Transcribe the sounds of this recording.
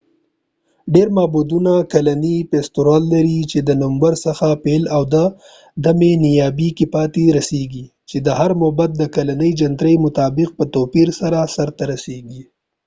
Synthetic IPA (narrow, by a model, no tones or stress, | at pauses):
ɖeɾmɑbud̪unakalanipest̪oɾɑlːaɾit͡ʃed̪ənʊmbaɾsaxapelawd̪a | d̪amenijɑbikipɑt̪eɾaseɡi | t͡ʃed̪əɦaɾmobat̪̚d̪əkalanəjd͡ʒant̪ɾəjmʊt̪ɑːbɪq̚pət̪opiɾsaɾasaɾt̪aɾaseɡi